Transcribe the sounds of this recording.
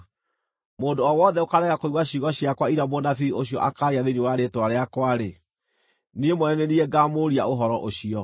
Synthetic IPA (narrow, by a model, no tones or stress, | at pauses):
moːdoɔwɔðɛokaɾɛɣakoiɣwaɕiɣaɕiakwaiɾamonafioɕiɔ̰ʔakaɾiaðeniwaɾetoaɾeakwaɾe | niemwɛnenieɡamoɾiaoɦɔɾɔʔoɕiɔ